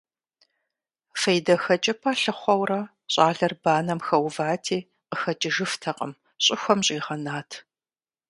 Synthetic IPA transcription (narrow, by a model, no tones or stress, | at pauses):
fɐjdɐxɐt͡ʃʼɐpʰɐɬɨχʷɔwrɐ | ɕʼaːɮɐrbaːnɐmxɐwvaːtʰiː | qəxɐt͡ʃʼɪʒɨftʰɐqʼɐ̰m | ɕʼɪxʷɔmɕʼiːʁɐnaːtʰ